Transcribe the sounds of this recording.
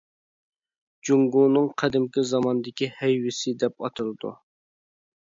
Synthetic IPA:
d͡ʒuŋɡunɨŋqʰɛd̪ɪmkʲizɑmɑnd̪ɪkʲihɛjwɪsɪd̪ɛpɑt̪ʰɨlˠɨd̪ṵ

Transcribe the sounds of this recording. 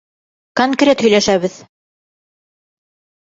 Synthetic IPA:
koŋkrʲe̞t̪hɵ̆jlæʃæβɘð

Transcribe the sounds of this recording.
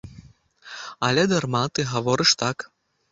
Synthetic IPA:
ɐlʲɛd̪armat̪ɨɣavɔɾɨʂt̪ak

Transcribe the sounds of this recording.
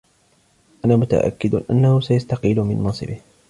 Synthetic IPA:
ʔanaːmʊt̪a̰ʔa̰kːɪd̪ʔa̰nːahʊsajast̪ɑqiːlʊmɪ̰nmɑnsˤɨ̰bɪh

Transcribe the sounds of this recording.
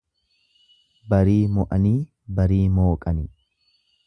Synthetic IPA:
bɐɾiːmɔʔɐniː | bɐɾiːmoːkʼɐnɪ

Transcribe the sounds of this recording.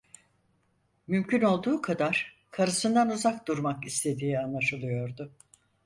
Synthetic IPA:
mymcyno̞lˠd̪uːkʰad̪aɾ̥ | kʰaɾɯsɯnd̪anuzakd̪uɾmakist̪ʰe̞d̪iːanlˠaʃɯlˠɯjo̞ɾd̪ʊ

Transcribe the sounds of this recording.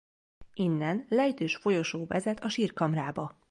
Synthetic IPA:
inːɛnlɛjt̪øːʃfo̞jo̞ʃoːvɛ̰zɛt̪ɒʃiːrkɒmraːbɒ

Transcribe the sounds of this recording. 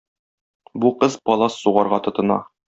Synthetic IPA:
buqɤzpɒlˠɑsːuʁɑɾʁɑt̪ŏt̪ɤ̆nɑ̰

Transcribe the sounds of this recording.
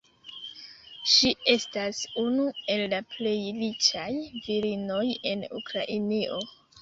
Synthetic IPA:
ʃie̞stasunue̞lːaple̞jlit͡ʃajviɾino̞je̞nṵkɾaʔiniʔo̞

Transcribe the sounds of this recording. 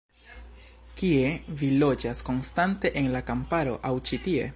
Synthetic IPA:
kie̞vilo̞d͡ʒasko̞nstante̞ʔenlakampaɾo̞̰ʔawt͡ʃitie̞̰

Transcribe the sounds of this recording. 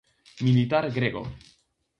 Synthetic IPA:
milit̪aɾɡɾeɡo̰

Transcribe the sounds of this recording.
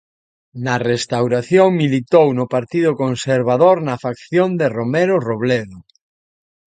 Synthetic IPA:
nɐrest̪awɾaθjoŋmilit̪ownʊpaɾt̪iðʊkonseɾβaðoɾnɐfakθjond̪eromɛɾoroβleðʊ

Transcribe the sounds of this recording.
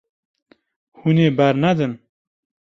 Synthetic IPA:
huneːbæɾnɛd̪ɨn

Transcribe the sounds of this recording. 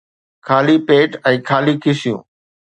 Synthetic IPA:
kʰaːliːpeːʈɛ̃ːkʰaːliːkʰɪsɪjṵ̃ː

